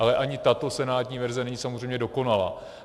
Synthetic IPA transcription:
ʔalɛʔaɲɪt̪at̪o̞sɛnaːt̪ɲiːvɛɾzɛnɛɲiːsamor̝ejmɲɛdo̞ko̞nala̰ː

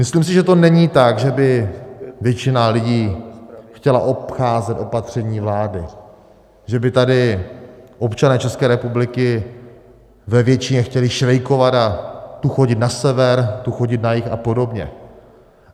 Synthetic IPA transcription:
mɪsliːms̬ɪʒɛt̪o̞nɛɲiːt̪aɡʒɛbɪvjɛt͡ʃɪnalɪɟiːxcɛlaʔo̞pxaːzɛt̪ʔo̞pat̪r̝̥ɛɲiːvlaːdɪ | ʒɛbɪt̪adɪ | ʔo̞pt͡ʃanɛːt͡ʃɛskɛːɾɛpublɪkɪ | vɛvjɛt͡ʃɪɲɛxcɛlɪʃɾɛjko̞vat̪at̪uxo̞ɟɪt̪nasɛvɛɾt̪uxoɟɪt̪najɪxa̰po̞do̞bɲɛ̰

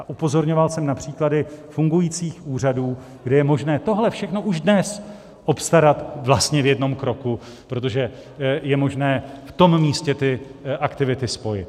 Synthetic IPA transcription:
ʔaʔupo̞zo̞ɾɲo̞valsɛmnapr̝̥iːkladɪfuŋɡujit͡siːxuːr̝aduː | ɡdɛjɛmo̞ʒnɛːt̪o̞ɦlɛfʃɛxno̞ʔuʒdnɛs | ʔo̞pst̪aɾat̪vlast̪ɲɛvjɛdno̞mkɾo̞ku | pɾo̞t̪o̞ʒɛ | jɛmo̞ʒnɛːft̪o̞mmiːscɛt̪ɪʔakt̪ɪvɪt̪ɪspo̞jɪ̰t̪

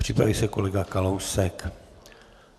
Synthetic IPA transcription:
pr̝̥ipɾa̰viːsɛko̞lɛɡakalowsɛk

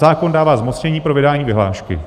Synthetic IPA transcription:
aːkondaːvaːzmot͡sɲɛɲiːpɾovɪdaːɲiːvɪɦla̰ːʃkɪ̰

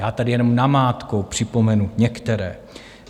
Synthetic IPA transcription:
jaːt̪adɪjɛno̞mnamaːt̪ko̞wpr̝̥ɪpo̞mɛnuɲɛkt̪ɛɾɛː

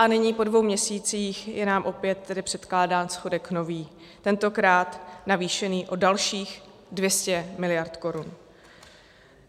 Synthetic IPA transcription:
ʔanɪɲiːpo̞dvo̞wmɲɛsiːt͡siːxjɛnaːmʔo̞pjɛt̪ːɛdɪpr̥ɛt̪klaːdaːnsxodɛkno̞viː | t̪ɛnt̪o̞kɾaːt̪naviːʃɛniːʔo̞dalʃiːx | dvjɛscɛmɪlɪjaɾt̪ko̞ɾun

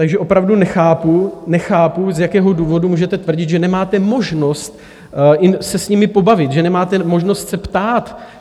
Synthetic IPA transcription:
t̪aɡʒɛʔo̞pɾavdunɛxaːpunɛxaːpuzjakɛːɦo̞duːvo̞dumuːʒɛt̪ɛt̪vr̩ɟɪt̪ʒɛnɛmaːt̪ɛmo̞ʒno̞st̪̚ | ɪsɛsɲɪmɪpo̞bavɪt̪ʒɛnɛmaːt̪ɛmo̞ʒno̞st̪sɛpt̪aːt̪

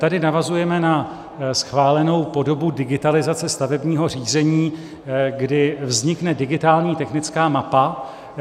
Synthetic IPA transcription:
t̪adɪnavazujɛmɛna | sxvaːlɛno̞wpo̞do̞budɪɡɪt̪alɪzat͡sɛst̪avɛbɲiːɦo̞r̝iːzɛɲiː | ɡdɪvzɲɪknɛdɪɡɪt̪aːlɲiːt̪ɛxnɪt͡skaːmapa

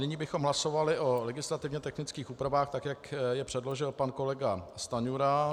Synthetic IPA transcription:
nɪɲiːbɪxo̞mɦlaso̞valɪʔo̞lɛɡɪslat̪ɪvɲɛt̪ɛxnɪt͡skiːxuːpɾavaːxt̪akjakjɛpr̝̥ɛdlo̞ʒɪlpanko̞lɛɡast̪aɲuɾa

